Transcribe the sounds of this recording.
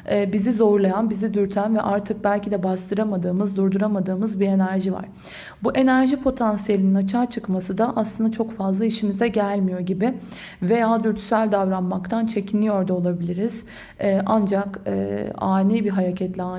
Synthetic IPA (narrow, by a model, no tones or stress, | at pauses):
ɛːbizizo̞ɾlˠajanbizid̪yɾt̪ʰænvɛʔaɾt̪ʰɯk̚bælʲcid̪ɛbast̪ʰɯɾamad̪ɯːmɯzd̪uɾd̪uɾamad̪ɯːmɯzbiɾe̞næɾʒiva̰ɾ̥ | buʔe̞næɾʒipʰo̞t̪ʰansijelʲininat͡ʃʰaːt͡ʃʰɯkmasɯd̪aʔaslˠɯnd̪at͡ʃʰo̞kfazlˠaiʃimizɛɟælʲmijo̞ɟibɪ | ve̞jaːd̪yɾt̪ʰy̥sælʲd̪avɾanmak̚t̪ʰant͡ʃʰe̞cʰinlːʲijo̞ɾd̪aolˠabilʲiɾiz̥ | ɛːʔand͡ʒakɯ̰ːa̰ːnijbiɦaɾecʰɛt̪lʲɛa